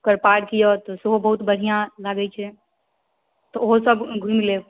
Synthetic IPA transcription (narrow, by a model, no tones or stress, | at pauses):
kəɾpaːɽkijot̪ɔsobəɦut̪bəɽ̤ijãlaːɡɛt͡ʃʰɛ | t̪ɔosəbɡʱũmle